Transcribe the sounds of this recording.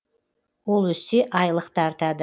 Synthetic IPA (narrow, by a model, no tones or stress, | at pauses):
wolˠwɵseʔɑjlˠəqt̪əɑɾt̪ɑd̪ə